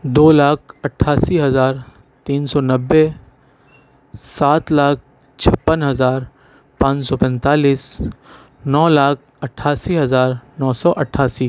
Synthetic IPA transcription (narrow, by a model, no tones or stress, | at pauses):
d̪oːlaːk̚ʰɐʈʰːaːsiɦɐzaːɾ | t̪iːnsɔnɐbːe | saːt̪laːk̚ʰ | t͡ʃʰɐpːənɦɐzaːɾ | pãːt͡ʃsɔpɛ̃nt̪aːliːs | nɔːlaːk̚ʰ | ɐʈʰːaːsiɦɐzaːɾnɔːsɔːʔɐʈʰːaːsiː